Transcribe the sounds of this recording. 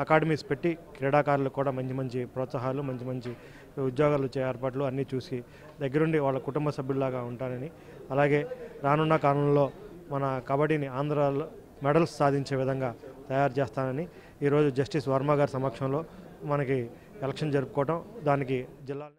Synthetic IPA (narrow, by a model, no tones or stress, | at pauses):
ɐkaːɖɐmiːspe̞ʈːikɾiːɽaːkaːɾulukuːɽaːmɐɲt͡ʃimɐɲt͡ʃipɾɔːt̪sɐɦaːlumɐɲt͡ʃimɐɲt͡ʃi | ud̪jɔːɡaːlut͡ʃːeeːɾpaːʈ̬luɐnːiːt͡ʃuːsi | d̪ɐɡːɐɾuɳɖiʋaːɭːɐkuʈumbɐsɐbʱjululaːɡaːuɳʈaːnɐni | ɐlaːɡe̞ːɾaːnunːɐkaːɾɐnlo̞ːmɐnɐkɐbɐɽiːniaːnd̪ɾaːlo | mɛɽɐlsːaːd̪ʱiɲt͡ʃe̞ːʋid̪ʱɐŋɡaːt̪ɐjaːɾt͡ʃeːst̪aːnɐni | iːɾo̞ːd͡ʒud͡ʒɐsʈisʋɐɾmaːɡaːɾsɐmɐkʂɐmlo̞ː | mɐnɐki | ɛlɐkʂɐnd͡ʒɐɾupukɔːɐʈɐmd̪aːnikid͡ʒilːaːl